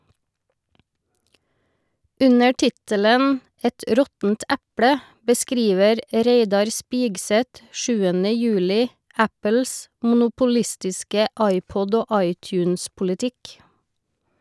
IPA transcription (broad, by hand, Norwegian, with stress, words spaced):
ˈʉnə ˈʈɪtələn ˈɛt ˈɾɔtn̩t ˈɛpɽə bəˈskɾiːʋəɾ ˈɾeɪdɑɾ ˈspɪɡsɛt ˈʃʉːənə ˈjʉːlɪ ˈæpəls mʊnʊpʊˈlɪstɪskə ˈɑɪˌpɔd ˈoː ˈʔɑɪˌtjʉːnspʊlɪˌtɪk